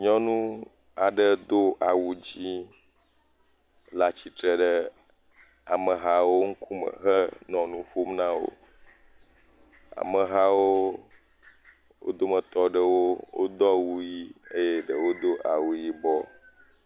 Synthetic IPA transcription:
ɲɔ̃˦nũ˦ | a˨ɖə˦d̪o˦ʔa˨wu˨d͡ʑi˦ | la˨t͡ɕi˨t̪ɾə˨ɖə˦ | a˨mə̃˨ɦa˨wo˦ŋ̩˦kʰu˦mə̰̃˨ɦə˦nɔ̃˨nũ˦ɸo˦mnã˦wo̰˨ | a̰˨mə˨ɦa˦wo˦ | wo̰˦d̪o˦mə̃˨t̪ɔ˨ɖə˦wo˦wʔo̰˦d̪ɔ˦wu˦ji˦ə˦je˦ɖə˨wo˦d̪o˦ʔa̰˨wu˨ji˦bɔ˦

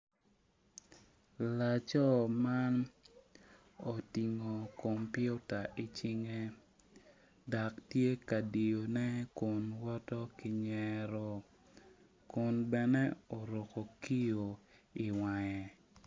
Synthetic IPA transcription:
la˨t͡ʃɔ˦ma˦n | o˨ti˨ŋo˨ko˨mpjʊ˦ta˨ʔi˨t͡ʃi˦ŋe˦ | da˨ktje˦ka˨di˨jo˨nɛ˦ko˨nwɔ˦tɔ˦kɪ˨ɲɛɾɔ˨ | kʊ˨nbɛ˨nɛ˦o˨ɾo˨ko˨ki˦jo˨i˨wa˨jɛ˨

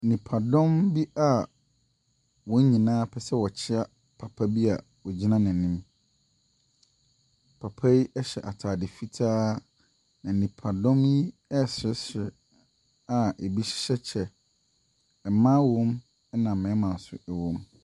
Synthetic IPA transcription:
nĩ˨pʰa˨dɔ̃˦mbi˦ʔa˨ | wɔ˨˦ɲĩ˨nãː˦pʰɛ˨sɛ˦wɔ˨t͡ɕʰɪ˦a˦ | pʰa˨pʰa˦bi˦a˨ | wɔ˨d͡ʑi˦nã˦nɪ̃˨nĩ˦m | pʰa˨pʰa˦ji˦ʔɛ˦ɕɛ̰˨ʔa˨tʰaː˨dɪ˨fi˦tʰaː˦ | nã˨nĩ˨pʰa˨dɔ̃˦mji˦ɛ˦sɪ˦sɪ˨ | a˨e˨bi˦ɕɪ̥˦ɕɛ˦t͡ɕʰɛ˨ | ɛ˨mã˦wɔ̃˦m | ɛ˦nã˨mɛ̃˨˦mã˨n̩˨sʊ̰˨ɛ˨wɔ̃˦m

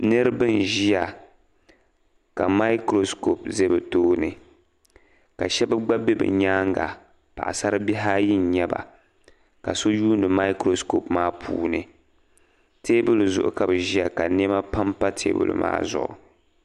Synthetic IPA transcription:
nɨ˦ɾɨ˦bɨ˦n˨ʒi˦ja˨ | ka˨ma˦jkɾo˦sko˨pze˦bɨ˨toː˦nɨ˨ | ka̰˨ʃɛ˦bɨ˦ɡ͡ba˦be˦bɨ̰˨ɲaː˦ŋɡa̰˨ | pa̰˨ʔa̰˨sa˦ɾɨ˦bi˦ɦaː˦ji˦nɲɛ˦ba̰˨ | ka˨so˦juː˦ndɨ˨ma˦i˦kɾo˦sko˨pmaː˦pʰṵː˦˨nɨ˨ | teː˦bʊ˦lɨ˨zʊ˨ʔʊ̰˨ka˨bɨ˨ʒi˦ja˨ka˨ne˦ma˦pa˦mpa˦tʰḛː˦bʊ̰˨lɨ̰˨ma̰ː˦zʊ̰˨ʔʊ̰˨

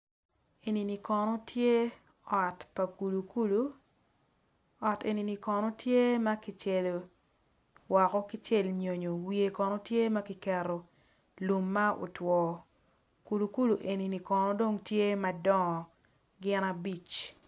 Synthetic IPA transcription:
e˨ni˨ni˨kɔ˨nɔ˦tʰje˦ | ɔ˨tpa˨ku˨lu˨ku˦lu˦ | ɔ˨tḛ˨ni˨ni˨kɔ˨nɔ˦tje˦mɐ˦kɪ˨t͡ʃe˦˨lo˨ | wa˨kɔ˦kɪ˦t͡ʃe˦lɲo˨ɲo˨wie˨kɔ˨nɔ˦tje˦mɐ˦kɪ˦kɛ˨ɾo˨ | lu˨mːa˦o̰˨twɔː˨ | ku˨lu˨ku˦lu˨ʔe˨ni˨ni˨kɔ˨nɔ˦do˦ŋtje˦ma˦dɔ˦ŋ˨ | ɡɪ˦na˦bi˨t͡ʃ

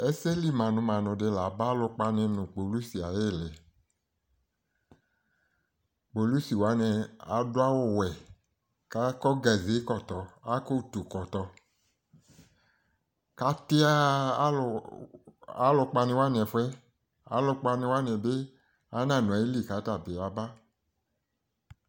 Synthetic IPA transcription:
ɛ˦se˦li˦˨mã˨nʊ̃˨˧mã˨nʊ̃˨de˧la˨ba˦lʊ˧k͡pa˧nɪ̃˧nʊ̃˨k͡po˨lu˦si˨a˨je˦˨lɛ˨ | k͡po˨lu˦si˨wa˨˦nɛ˧a˨˦dʊ˦a˦wo˦˨wɛ˨ | ka˦kɔ˦ɡa˨ze˨˦kɔ˦˨tɔ˨a˦ko˦˨tu˨kɔ˨tɔ˧ | ka˨˦ti˦a˦˨ | a˦lʊ˧k͡pa˧nĩ˧wa˦nĩ˨ɛ˨fɛ˦ | a̰˦lʊ˧k͡pa˧ni˧wa˦n˨ɛ˨be˦ | a˦nã˦˨nʊ̃˨ɛ˨˦i˦li˦˨ka˨˦ta˦˨be˨a˨˦ba˦

